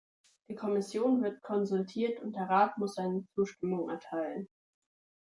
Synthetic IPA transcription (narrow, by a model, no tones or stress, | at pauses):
d̥iːkʰɔmɪsjoːnvɪɐt̚kʰɔnzʊltʰiːɐtʊnt̚d̥eɐʁaːtmʊsz̥aɪnət͡suːʃtɪmʊŋʔɛ̰ɐtʰaɪlən